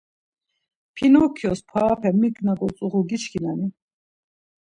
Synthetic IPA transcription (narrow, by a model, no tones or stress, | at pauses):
pʰinɔkʰjɔspʰwaːpʰɛmiɡnaɡɔt͡sʼuʁuɡit͡ʃʰkʰinani